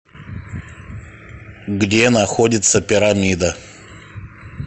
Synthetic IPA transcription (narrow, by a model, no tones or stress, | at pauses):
ɡdʲenɐxodʲɪt̪səpʲɪɾamʲid̪ə